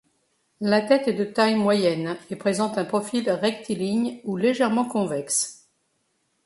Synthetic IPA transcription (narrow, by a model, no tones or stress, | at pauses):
lat̪ɛt̪ɛd̪ət̪ajmwajɛnepχezɑ̃t̪ɛ̃pχɔfilʁɛk̚t̪iliɲuleʒɛʁmɑ̃kɔ̃vɛks